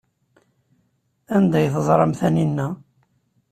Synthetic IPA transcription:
ænd̪æjθəzˤɾˤɑmθæninːæ

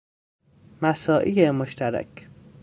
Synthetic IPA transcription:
mæsɒːʔijemoʃt̪ʰæɾæ̰kʰ

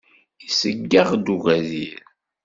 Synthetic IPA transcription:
isəɡːaʁd̪uɣæzil

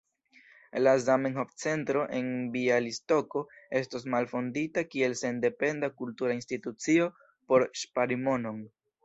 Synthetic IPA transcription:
lazamenɦoft͡se̞ntɾo̞ʔe̞nbialisto̞ko̞e̞stos̬malfo̞nditakie̞lse̞nde̞pe̞ndakultuɾainstitut͡sio̞ | po̞ɾʃpaɾimo̞no̞n

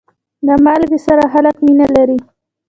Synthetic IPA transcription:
d̪əmɑlɡesaɾaxalakminalaɾi

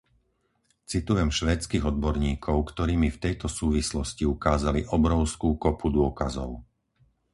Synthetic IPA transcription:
t͡sit̪ujɛmʃʋɛːt͡skiːɣɔd̪̚bɔɾɲiːkʰɔʊkt̪ɔɾiːmift̪ɛjt̪ɔsuːʋislɔsciukaːzaliʔɔbɾɔʊskuːkɔpud̪ʊɔkazɔ̰ʊ

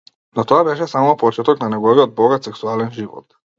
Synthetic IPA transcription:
nɔt̪ɔabɛʃɛsamɔpɔt͡ʃɛt̪ɔknanɛɡɔviɔd̪̚bɔɡat̪sɛksualɛnʒivɔ̰t̪

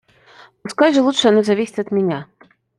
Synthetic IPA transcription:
ɔskajʐɨlˠutʂjanɔzavʲisʲi̥t͡sʲɐd̪mʲanʲa

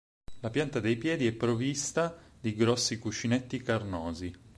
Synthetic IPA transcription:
lapjant̪ad̪ejpjɛːd̪iɛpːɾovist̪ad̪iɡɾɔsːikut͡ʃːinet̪ːikarnɔːzi

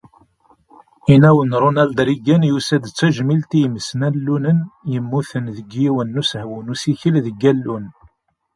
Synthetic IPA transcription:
inæwənɾˤunæld̪ɾiɡænjusæd̪t͡sːæʒmilt̪ijməsnælːunənjəmːuθənðəɡjiwənːushwənusiçəlðəɡːælːun

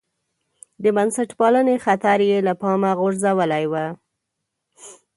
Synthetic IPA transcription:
d̪əbansaʈpɑlənexat̪aɾjelapɑmaɣʊɾzawəlajwa

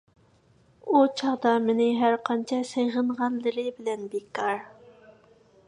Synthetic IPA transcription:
ut͡ʃʰɑʁd̪ɑmɪnɪɦæɾqʰɑnt͡ʃʰɑseʁəɴʁɑnlɨɾɪbɪlɛnbekʰːɑɾ

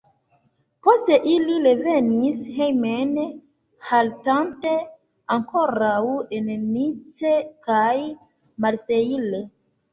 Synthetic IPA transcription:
po̞ste̞ʔiliɾe̞venishejmen | haltante̞ | aŋkoɾawennit͡sekaj | malseile

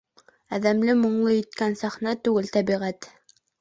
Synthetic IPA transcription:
æðæmlɘmŏɴlˠɤjɘ̆t̪kænsæχnæt̪ʉɡɘlt̪æbiʁæt̪

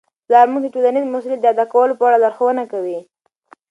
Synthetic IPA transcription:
zaɾmuɡ̚d̪əʈolanizmʊsulad̪əad̪akawəlopəaɽad̪aɾxəwənakawi

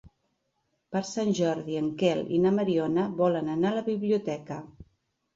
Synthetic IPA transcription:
pəɾsanʲʒɔɾðiəŋkɛlḭnəməɾionəβɔlənənaləβiβliut̪ɛkə

